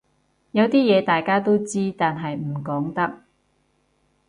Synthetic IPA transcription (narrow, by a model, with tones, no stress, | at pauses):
jɐ˨˧wt̪iː˥jɛː˨˧t̪aː˨jkaː˥t̪o˥wt͡siː˥t̪aː˨nɦɐ˨jm̩˨˩kɔː˨˥ŋt̪ɐ˥k̚